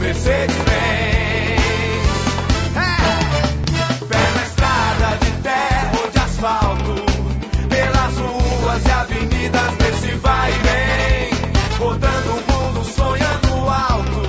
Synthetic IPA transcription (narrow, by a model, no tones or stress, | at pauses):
mesed͡ʒɪve | s | pelɐest̪ɾad̪ɐd͡ʒɪt̪ɛɦɐd͡ʒɪasfawt̪ʊpelɐzluuɐzɪaveɲid̪ɐzd̪esɪvajibẽj̃ɡot̪ɐ̃nd̪ʊʊmũd̪ʊsõɲɐ̃nʊawt̪ʊ